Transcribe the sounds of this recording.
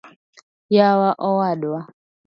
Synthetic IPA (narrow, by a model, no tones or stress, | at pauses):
jawaʔɔwaɗwa